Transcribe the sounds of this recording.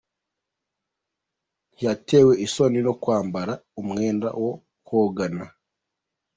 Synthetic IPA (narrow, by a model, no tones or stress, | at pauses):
njateːwe̞ʔiso̞nino̞kwaːmbaɾaumŋe̞ːnda̰wo̞ | hoɡana